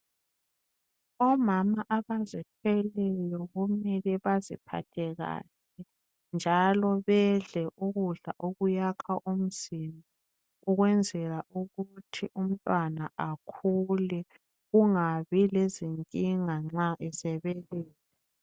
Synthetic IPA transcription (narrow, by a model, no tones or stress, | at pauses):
ɔmamaʔaβazitʰwɛlɛjɔɣumɛliβazḭpʰa̰tʰɛɣa̰ɬɛ | nd͡ʒʱalɔβɛɮɛʔuɣuɮa̰ʔoɣujakʰaʔum̩zimbɔ | uɣwɛnd͡zʱɛlaʔuɣutʰiʔum̩tʼwanaʔakʰulɛ | ɣuŋaβileziŋkʼiŋaŋ͡ǁaʔɛsɛβɛlɛːlɛ